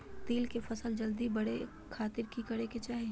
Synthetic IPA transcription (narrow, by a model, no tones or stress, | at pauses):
t̪iːlkefʰɐsəld͡ʒɐld̪ibɐɽe | kʰaːt̪ɪɾkikɐɽeket͡ʃaːɦi